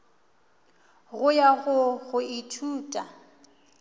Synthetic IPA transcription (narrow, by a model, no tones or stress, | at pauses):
ɣʊjaɣʊɣʊitʰuːtʼa